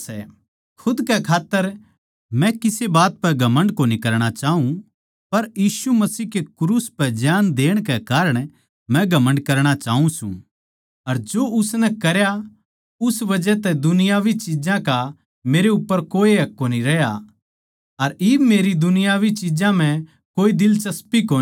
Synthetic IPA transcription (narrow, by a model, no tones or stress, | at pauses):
sɛ | kʰʊd̪kɛkʰaːt̪ːəɾ | mɛ̃kɪsebaːt̪̚pɛɡʱɐmə̃ɳɖkoːnikɐɾɽ̃at͡ʃaːɦũ | pɐɾjiːsumɐsiːkekɾuːspɛd͡ʒjaːnd̪eːɽ̃kɛkaːɾəɽ̃ | mɛ̃ɡʱɐmə̃ɳɖkɐɾɽ̃at͡ʃaːɦũsṵ̃ː | ɐɾd͡ʒoːʊsnɛkɐɾja | ʊsbɐd͡ʒɛt̪ɛd̪ʊnɪjaːʋit͡ʃid͡ʒãka | meːɾeʊpːəɾkoːiɦɐkːoniɾɛja | ɐɾɪbmeːɾid̪ʊnɪjaːʋit͡ʃid͡ʒãm̤ɛ̃ | koːid̪ɪlt͡ʃɐspikoː